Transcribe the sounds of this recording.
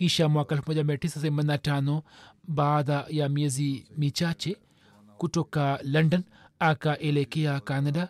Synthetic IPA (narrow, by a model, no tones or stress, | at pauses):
kiʃamuaːkɐlfmɐd͡ʒameʈisɐs̬emɐnːaʈaːnobaːd̪ajamiɐzimit͡ʃat͡ʃe | kuʈokalɐɳɖɐn | akaʔelekejakaːnɐɖa